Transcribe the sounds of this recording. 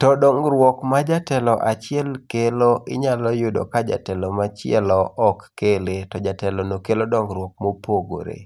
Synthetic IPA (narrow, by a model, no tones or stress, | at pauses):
tɔdɔŋɡɾwɔkmad͡ʒatɛlɔʔat͡ʃɪɛlkeloʔɪ̰ɲalɔjʊdo̰kad͡ʒa̰tɛlɔmat͡ʃɪɛ̰lɔʔɔkːeletɔd͡ʒatɛlɔnokelodɔŋɡɾwɔk̚mopoɡo̰ɾḛ